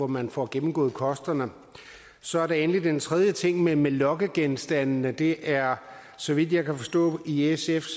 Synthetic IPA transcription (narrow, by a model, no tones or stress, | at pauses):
ɒmænfɒɡ̥emm̩ɡ̥ɔ̰̽ːð̩ˠkʰɒ̽sd̥ɐnə | sɒ̽æɐɾ̥enlid̥ent͡sʰʁɛð̞ˠjət͡sʰe̝ŋ̰memelɒ̽ɡ̥əɡ̥ensd̥ænnəd̥e̝ʔæɐ | sɒ̽ʋid̥̰ˠjɑ̈ɪkʰæfɒ̽sd̥ɔ̰̽ːiesef